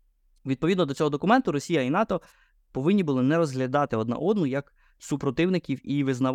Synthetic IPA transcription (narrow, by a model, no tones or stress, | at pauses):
ʋʲid̪̚pɔʋʲid̪nɔd̪ɔt͡sʲɔɦɔd̪ɔkʊmɛnt̪ʊɾɔsʲijɐinɑt̪ɔ | pɔʋɪnʲːibʊlˠɪnɛɾɔzɦlʲɐd̪ɑt̪ɪɔd̪nɐ̰ʔɔd̪nʊjɐk | supɾɔt̪ɪwnɪkʲiwiʋɪznɐ